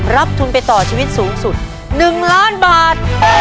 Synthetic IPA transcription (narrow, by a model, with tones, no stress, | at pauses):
ɾa˦˥p̚t̪ʰu˧npa˧jt̪ɔː˨˩t͡ɕʰiː˧wi˦˥t̪̚suː˩˦ŋsu˨˩t̪̚ | nɯ˨˩ŋlaː˦˥˩nbaː˨˩t̪̚